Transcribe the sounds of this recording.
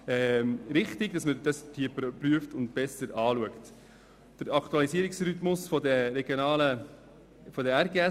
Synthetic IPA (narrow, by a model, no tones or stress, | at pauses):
ɛːmɾɪχtɪɡ̥d̥ɑsmədɑstʰiəppryəftʊntb̥ɛsəɾɑːluəkt | d̥əɾɑktuɑlisiəɾɪksɾytmʊsfɔdɛɾɛɡjonɑːlə | fɔdəæɾɡeɛ